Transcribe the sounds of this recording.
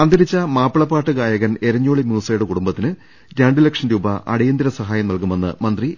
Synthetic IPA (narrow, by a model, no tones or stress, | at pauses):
ɐnd̪ɐɾit͡ɕːɐmaːpːɐɭɐpːaːʈːɨkaːjɐɣɐne̞ɾɐɲːoːɭimjuːsɐjuɽɨkuɽumbɐt̪ːinɨ | ɾaːɳɖilɐkʂɐnɾuːbɐʔɐ̰ɽɐjɐnd̪iɾɐsɐɦaːjɐmnɐlkume̞nːɨ̰mɐnd̪ri